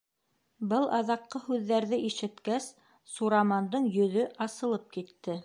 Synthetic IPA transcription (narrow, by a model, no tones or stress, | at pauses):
bɤlˠʔɑðɑqːɤhʉðːæɾðɘʔiʃɘ̆t̪kæsː | uɾamɑnd̪ɤɴjɵ̆ðɵʔɑsɤ̆lˠɤp̚kit̪ːɘ